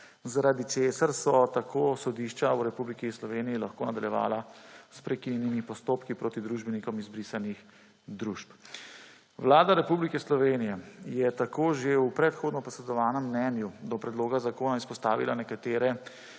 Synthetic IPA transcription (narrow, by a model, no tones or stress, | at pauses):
zaɾad̪it͡ʃeːsaɾsɔt̪akʰoːsɔd̪iʃt͡ʃauɾɛpublikislɔʋeːnijilaxkoːnad̪aljɛʋa̰ːlaspɾɛkinjɛnimipɔst̪oːpkipɾoːt̪id̪ɾuːʒbɛnikɔmizbɾisanix | d̪ɾuʃp | ʋlaːd̪aɾɛpublikɛslɔʋeːnijɛjɛt̪akoːʒeupɾɛt̪xoːd̪nɔpɔsɾɛd̪ɔʋaːnɛmːnɛnjud̪ɔpɾɛd̪loːɡazakoːnaispɔst̪aːʋilanɛkat̪eːɾɛ